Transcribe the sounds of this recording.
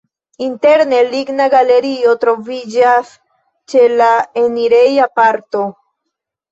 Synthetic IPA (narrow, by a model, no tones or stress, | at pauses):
inte̞ɾne̞liɡnaɡale̞ɾio̞tɾo̞vid͡ʒas | t͡ʃe̞laeniɾejapaɾto̞